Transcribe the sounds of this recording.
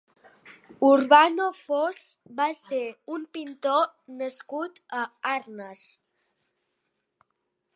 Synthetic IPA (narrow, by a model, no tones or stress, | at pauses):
uɾβanofosbaseumpint̪onəskut̪əaɾnəs